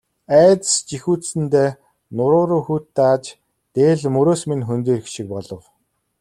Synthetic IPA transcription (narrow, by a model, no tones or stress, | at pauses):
æːt͡s̪st͡ɕixuːt͡s̪sɘ̆nt̪eː | nʊɾʊːɾoːxuːt̪ːat͡ɕ | t̪eːɮmɵɾoːsminxɵnt̪eːrxʃik̚pɔɮɞ̆w